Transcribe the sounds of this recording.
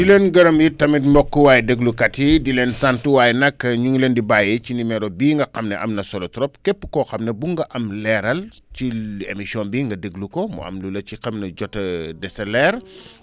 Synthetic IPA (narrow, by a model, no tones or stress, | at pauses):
dileːnɡɐɾɐmjitɐmitmɔkːuwaːjdəɡlukɐtidilensantuwaːjnɐkːɐɲuŋlendibaːjet͡ʃinimɛɾɔbiːŋɡɐxɐmnɛʔɐ̰mnɐsɔlɔtɾɔp̚kɛpːə̥kɔxɐmnɐbuŋɡɐʔɐmlɛɾɐl | ciḛmisiɔnbiːŋɡɐdəɡlukɔmṵɐ̰mlulɐt͡ʃixɐmnɐɟɔtːɐdɛsɐlɛɾ